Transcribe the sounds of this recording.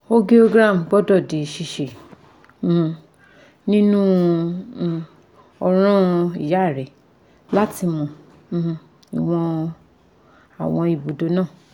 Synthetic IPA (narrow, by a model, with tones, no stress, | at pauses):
o˦ɡi˦o˦ɡɾa˦˨m˨ɡ͡bɔ˦dɔ˦˨di˨ʃi˧˨ʃẽ˨ | h̩˧ | nĩ˦nũ˦˨˧ | ɔ˧ɾ̃ã˦i˨ja˨˦˨ɾɛ˨˦ | la˦ti˧mɔ̃˨˧ | h̩˧ | i˨w̃ɔ̃˧ | a̰˨w̃ɔ̃˧i˨bo˨do˨˧˦nãː˦˨